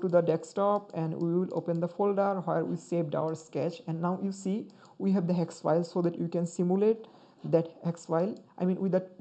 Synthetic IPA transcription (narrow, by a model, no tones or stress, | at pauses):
ʈud̪əɖɛksʈɔpɛ̃nɖwiwilo̰ːpə̃nd̪əfolɖəɾɦeɾwḭseːʋɖa̰ʊəɾskɛt͡ʃɛ̃nɖnaʊjusi | wiɦɛʋd̪əɦɛksfa̰ɪlsoːd̪ɛʈjikɛ̃nsimjuleʈ̚ | d̪ɛʈhɛksfaɪlʔa̰ɪmĩnwiə